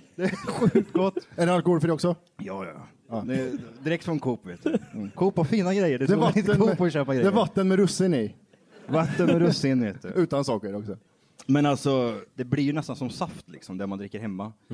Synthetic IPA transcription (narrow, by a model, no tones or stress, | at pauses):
d̪ɛɛɧʉ̟ːkt̪ɡɔt̪ːɛɖɛalkɔhɔlfɾiɔksɔ | jɑːjɑ̰ː | ɑːd̪ɛd̪ɾɛkːsfɔnkʰuːpːveːt̪ːkʰuːphafiːnaɡɾɛjːəɖɛd̪ɛvaɪənːpːɔʃøːpaɡɾɛdɛvat̪ːənmɛɾɵsːɪnɪ | vat̪ːənmɛɾɵsːɪnheːt̪ɛ̰ʉ̟ːt̪ansɑːkəɾɔksɔ | mɛnalt̪sɔd̪̥ɛblɪɾjɵnɛst̪ansɔmsaft̪lɪ̰ksɔmd̪æmand̪ɾɪkːəɾhɛmːa